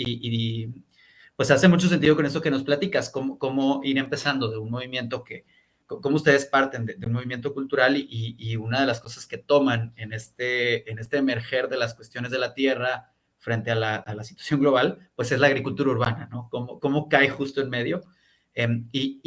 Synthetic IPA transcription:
ii | pwe̞sase̞mut͡ʃosent̪iðokonest̪o̞ke̞no̞splat̪ikasko̞moko̞mo̞iɾe̞mpe̞sand̪o̞ðe̞unmo̞β̞imje̞nt̪o̞ke̞ | koko̞moust̪e̞ð̞e̞spaɾt̪e̞nd̪ed̪eunmo̞βimje̞nt̪o̞kult̪uɾaliʔiːunað̞e̞lasko̞saske̞t̪o̞mane̞nest̪eːne̞st̪e̞ːme̞ɾxe̞ɾðe̞laskwe̞st̪jo̞nezð̞e̞lat̪je̞ra | fɾe̞nt̪e̞alaʔalasi̥t̪wasjo̞ŋɡlo̞β̞alpwe̞se̞zlaːɣɾikult̪uɾauɾβanano̞ko̞moko̞mo̞kajxust̪oenme̞ðjo̞ | emi

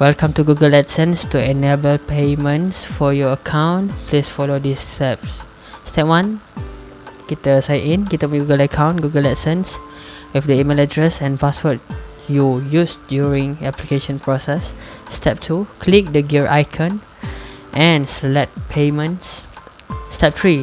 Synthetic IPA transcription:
wɛlkãmtuɡuɡəlɛtsə̃nstuɛnebəlpemə̃nsfɔjɔəkʰãw̃nplisfɔlodistɛp̚s | stɛp̚wãn | ɡ̥itəsaɪtĩnɡitəɡuɡələkʰãw̃nɡuɡəlɛtsə̃ns | wifdəimelədɹɛsɛ̃npaswət̚ | jujusdjuɹĩŋɛplikeʃɔ̃npɹɔsɛsːtʰɛp̚tʰukʰlik̚dəɡiɹʔa̰jkʰə̃n | ʔɛ̃nslɛt̚pʰemə̃nsː | tɛp̚tɹi

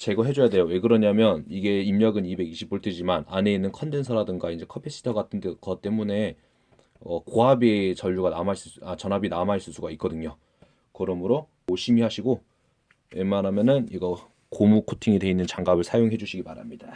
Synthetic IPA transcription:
t͡ɕe̞ɡʌɦe̞d͡ʑojade̞jowekɯɾʌɲamjʌniɡe̞imɲʌɡɯnibe̞ɡiɕʰip͈ːoɭt͈ed͡ʑimanane̞inːɯnkʰʌnde̞nsʰʌɾadɯŋɡaind͡ʑe̞kʰʌpʰes͈ɯ̥tʰʌɡatʰɯndekʌt͈e̞mune̞ | ʌkoɦabet͡ɕʌʎːuɡanamais͈ɯat͡ɕʌnɦabinamaiɭs͈ɯs͈uɡait̚k͈ʌdɯɲo | kɯɾʌmɯɾo | oɕʰimihaɕʰiɡo | wemanamjʌnɯniɡʌ | komukʰotʰiŋide̞inːɯnt͡ɕaŋɡabɯɭsʰajoŋɦe̞d͡ʑuɕʰiɡipaɾa̰mɲida

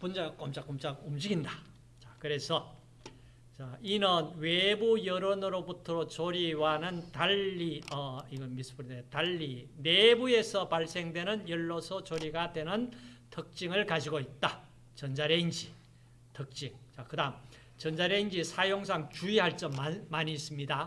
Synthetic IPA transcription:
pund͡ʑaɡk͈omt͡ɕ͈ak͈omt͡ɕakumd͡ʑiɡinda | t͡ɕakɯɾe̞sʰʌ | t͡ɕainʌnwe̞bujʌɾonɯɾobutʰɯɾot͡ɕoɾiwanɯntaʎːiʌiɡʌmis͈ʰɯ̥pɯɾidetaʎːine̞bue̞sʰʌpaɭs͈e̞ŋdwe̞nɯnjʌɭːosʰʌt͡ɕoɾiɡadwe̞nɯntʰɯk̚t͡ɕ͈iŋɯɭkad͡ʑiɡoit̚t͈a | t͡ɕʌnd͡ʑaɾeind͡ʑi | tʰɯk̚t͡ɕ͈iŋt͡ɕakɯdaɯm | t͡ɕʌnd͡ʑaɾeind͡ʑisʰajoŋsʰaŋt͡ɕuiɦaɭt͡ɕ͈ʌmamaɲiːs͈ɯmɲida

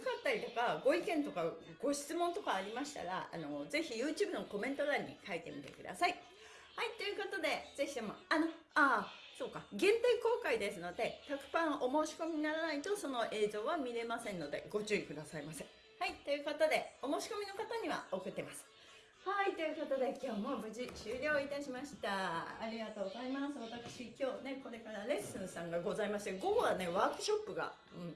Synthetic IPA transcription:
akat̪ːaɾʲit̪o̞kaɡo̞ikẽ̞nt̪o̞kaɡ̥o̞ɕi̥t͡sɨmõ̞nt̪o̞kaːɾʲimaɕi̥t̪a̰ɾa̰a̰no̞ze̞çijɯ̟ːt͡ɕɨ̟ːbɯ̟no̞ko̞mẽ̞nt̪o̞ɾaɲ̟ːḭkait̪e̞̰mʲit̪e̞̰kɯ̟d̪a̰sai | hait̪ːo̞jɯ̟kat̪ad̪e̞d͡ze̞çid̪e̞mo̞̰ano̞ | aso̞ːkaɡẽ̞nt̪aiko̞ːkaid̪e̞sɨno̞d̪e̞t̪akɯ̟̥pãɰ̃ʔo̞mo̞ːɕi̥ko̞mʲiɲinaɾanait̪o̞so̞no̞ʔe̞ːzo̞ːβamʲiɾe̞masẽ̞nːo̞d̪e̞̰ɡo̞t͡ɕɨikɯ̟d̪asaimasẽ | hait̪ːo̞jɯ̟ːkat̪ad̪e̞o̞mo̞ːɕi̥ko̞mʲino̞kat̪aɲ̟iβa̰o̞kɯ̟t̪ːe̞masɨ̥ | hait̪o̞jɯ̟kat̪ad̪e̞kʲo̞ːmo̞bɯ̟ʑiɕɨːɾʲo̞ːit̪aɕimaɕi̥t̪aːɾʲiɡat̪o̞ːɡozaimasɨβat̪akɯ̟̥ɕikʲo̞ːne̞ko̞ɾe̞kaɾaɾe̞sɨ̃ɰsãŋɡaɡo̞zaimaɕi̥t̪eɡo̞ɡoane̞βaːkɯ̟ɕo̞pːɯ̟ɡa̰ | ɯ̟̃ɴ

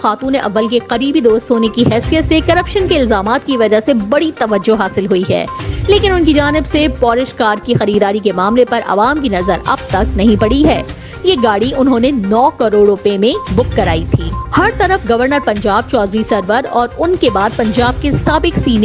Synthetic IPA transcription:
xaːt̪ũːnːeʔɐ̰ʋːəlkeqɐɾiːbid̪oːst̪ɦoːnekiɦɛːsijət̪sekɐɾɐpʃənkeɪlzaːmaːt̪kiʋɐd͡ʒasebɐɽit̪ɐʋəd͡ʒːoɦaːsɪlɦʊiɦɛ̰ːleːkɪnʊnkid͡ʒaːnɪbsepɔːɾɪʃkaːɾkixɐɾiːd̪aːɾikemaːmlepɐɾʔɐ̰ʋaːmkinɐzəɾɐ̰b̚t̪ɐknɐɦĩpɐɽiɦɛ̰ː | jeɡaːɽiʔʊnɦõːnenɔːkɐɾoːɽɾʊpemẽbʊkːɐɾa̰ːit̪ʰiːhɐɾt̪ɐɾəfɡɐʋəɾnəɾpɐ̃ɲd͡ʒaːb̚t͡ʃɔːd̪ɾisɐɾʋəɾɔːɾʊnkebaːd̪̚pɐ̃ɲd͡ʒaːb̚kesaːbɪksiːn

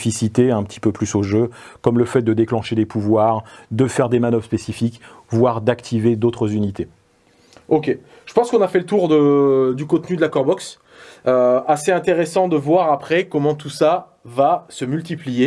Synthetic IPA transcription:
fisit̪eɛ̃pə̥t̪ʰi̥pøplysoʒø | kɔmləfɛt̪̚d̪əd̪eklɑ̃ʃed̪epʰuvwaːʁd̪əfɛʁd̪emanœvʁspesifikvwaʁd̪akt̪ʰived̪ot̪χəzynit̪e | okʲe | ʒ̥ə̥pɑ̃skɔ̃nafɛlət̪uʁd̪əd̪ykɔ̃t̪nyd̪əlakɔʁbɔks | øaseɛ̃t̪eʁesɑ̃d̪əvwaʁapχɛkɔmɑ̃t̪usa | vasəmylt̪iplije

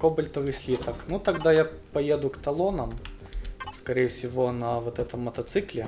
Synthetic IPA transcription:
kobəlʲt̪əvɨsʲlʲit̪əknut̪ɐɡd̪ajapɐjed̪ʊkt̪ɐlˠonəm | skɐɾʲejɪfsʲɪvonɐvot̪ɛt̪əmːɐt̪ɐt̪sɨklʲɪ

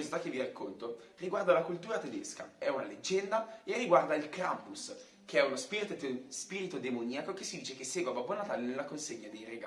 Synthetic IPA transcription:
ozit̪akːevːiɾakːont̪oriɡward̪alakult̪uːɾat̪ed̪ḛska̰ɛuna̰led͡ʒːɛnd̪aerːiɡward̪ailkɾampus | k̟eɛunospiːɾit̪ot̪spiːɾit̪od̪emoniakok̟esːid̪iːt͡ʃek̟esːeːɡwavabonat̪aːlenelːakonseɲːad̪ejreɡa

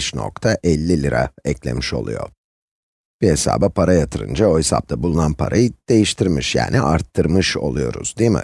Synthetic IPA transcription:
ʃno̞̰kt̪ʰaʔɛlʲːilʲiɾa̰ɛclʲe̞̰miʃo̞̰lˠṵjo̞̰ | b̥iɦesa̰ːbapʰaɾajat̪ʰɯɾɯ̰nd͡ʒaosa̰p̚t̪ʰabulˠunanpʰa̰ɾʔajɯd̪̥e̞jiʃt̪ʰiɾmiʃja̰ːniʔaɾt̪ʰːɯɾmɯʃo̞̰lˠujo̞ɾṵz̥d̪imɪ̰

